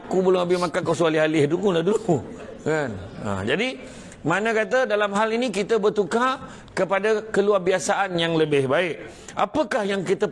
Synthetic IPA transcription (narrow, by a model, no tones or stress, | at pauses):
kubəlʊŋabɪhmakakawsualiɦalɪhduɡulahdulukanə̰d͡ʒadi | manə̃kat̪̬ədalamɦalinikit̪əbərt̪uka | kəpadakəluarbiasaʔanjaŋləbɪhbaɪʔ | apəkahjaŋkit̪ə